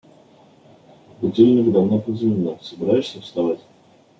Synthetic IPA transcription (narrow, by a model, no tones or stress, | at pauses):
bʊdʲelʲnʲɪkd̪avnopəzʲmʲɪnːosəbʲɪɾajɪʂsʲəfst̪avatʲ